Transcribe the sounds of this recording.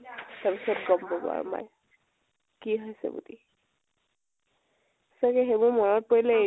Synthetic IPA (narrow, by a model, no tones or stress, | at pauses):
taɹpisɔtɡɔmbɔbʊ̰a̰ɹma̰j | kiɦojsɛ̰bṵdi | sakɛxebʊɹmɔnɔt̚pɔɹilɛe